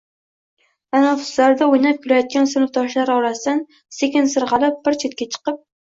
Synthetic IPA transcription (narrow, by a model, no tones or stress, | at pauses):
anɒfʊ̥slaɾd̪aojnap̚kʲʰʊɾajɒt̪̚kʲansʊnʊft̪ʰɒʃlaɾɒɾasd̪an | sekʲɪnsɨɾʁɑlˠɪp̚b̥ɪɾt͡ʃʰet̪̚kʲat͡ʃʰɨ̥qɨp̚